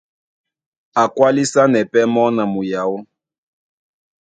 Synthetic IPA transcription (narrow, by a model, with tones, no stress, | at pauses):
a˨kwa˦li˦sa˦nɛ˨pɛ˦mɔ˦na˨mu˨ja˨˦wɔ˦